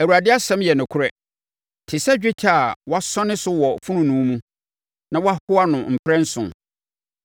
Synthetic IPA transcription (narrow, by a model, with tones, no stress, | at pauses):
æ˨wu˨ɾa˨dɪ˦a˦sɛ̃˦mjɛ˨nʊ̃˨kʰʊ˦ɾɛ˦ | tʰɪ˨sɛ˦d͡ʑᶣɪ˦t͡ɕʰa˦˨wɔ˦a˦sɔ̃˦nɪ̃˦sʊ˦wɔ˨fũ˦nʊ̃˨nũ˨˦mũ˦ | nã˦wɔ˦a˦hʊ˦a˦nʊ̃˨m̩˨pʰɾɛ̃˦n̩˦sʊ̰̃˨n